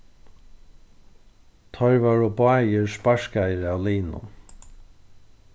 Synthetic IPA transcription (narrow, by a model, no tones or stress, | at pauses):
t̪ʰɔɹvaɹɔbaːjɪɹspaʂkajɾawliːnʊ̰n